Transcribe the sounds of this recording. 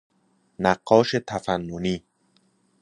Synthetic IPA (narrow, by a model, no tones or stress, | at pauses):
næɢːɒːʃet̪ʰæfænːoniː